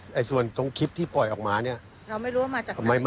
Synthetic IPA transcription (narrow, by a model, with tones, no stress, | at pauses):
ʔa˧˩jsu˨˩ənt̪o˧ŋkʰi˦˥p̚t̪ʰiː˥˩pɔ˨˩jʔɔː˨˩k̚maː˧ni˥˩ɐ | ɾa˧wma˥˩jɾu˦wa˥˩maː˧t͡ɕaː˨˩˧ma˥˩m˥